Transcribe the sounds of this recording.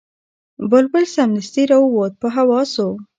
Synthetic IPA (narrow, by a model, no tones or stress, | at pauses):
bəlbəlsamnɪst̪iɾawwot̪̚pəɦawɑso